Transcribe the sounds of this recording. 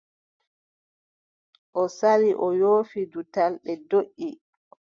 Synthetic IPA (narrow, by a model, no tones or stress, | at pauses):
ʔɔsaɾiʔɔjoːfidutalɗɛdoʔːi